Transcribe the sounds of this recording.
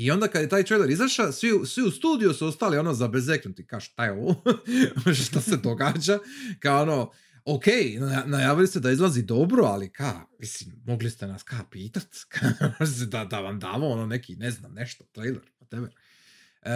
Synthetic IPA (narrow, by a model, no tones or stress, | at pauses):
io̞nd̪akad̪jet̪aːjt̪ɾejleɾizaʃasʋiusʋiust̪uːd̪iusuo̞st̪aːlionoːzabezeknut̪ikaːʒʃt̪ajeo̞ʋomoʃt̪ased̪o̞ɡaːd͡ʑakaoono | okejnaanajaːʋilised̪aizlˠazid̪o̞bɾoa̰likʰaːʋisimmo̞ɡlist̪e̞naskaːpiːt̪at̪kʰamoʒsed̪ad̪aʋamd̪a̰ːʋoonone̞kʰinezna̰mneʃt̪ot̪ɾejlˠḛɾpat̪ebe